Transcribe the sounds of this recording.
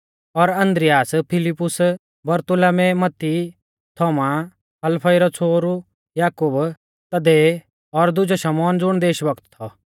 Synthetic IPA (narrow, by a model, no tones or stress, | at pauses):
ɔɾɐ̃nd̪ɾɪjaːspʰɪlɪpːʊs | bɐɾt̪ʊlamemɐt̪ːi | t̪ʰɔːma | ɐlpʰɐjɾɔt͡sʰoːɾu | jaːkʊb | t̪ɐd̪eː | ɔɾd̪ʊd͡ʒoʃɐmɔːnd͡zʊɽ̃d̪eːʃbɐkt̪ːʰɔ